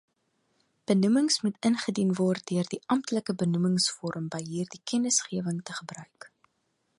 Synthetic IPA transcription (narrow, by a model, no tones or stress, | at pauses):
b̥ənuməŋsmutənχədinvɔrt̚døərdiʔɐmtləkəbənuməŋsfɔɾəmbəjɦiːrdikʰɛnəsχiəvəŋtəχəbrœɥk